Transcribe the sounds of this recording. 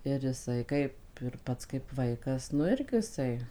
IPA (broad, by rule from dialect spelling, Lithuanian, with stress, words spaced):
ɪr ɪˈsɐɪ ˈkɐɪp ɪr ˈpɐts kɐɪp ˈʋɐɪkɐs nʊ ˈɪrʲɡʲɪ ɪˈsɐɪ